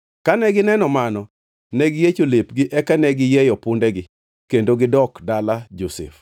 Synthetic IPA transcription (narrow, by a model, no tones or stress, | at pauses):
kanɛɡɪnɛnɔmanɔ | nɛɡɪjet͡ʃolepɡɪʔɛkanɛɡɪjɛjɔpʊndɛɡɪ | kendoɡɪdɔkdalad͡ʒosɪ̰f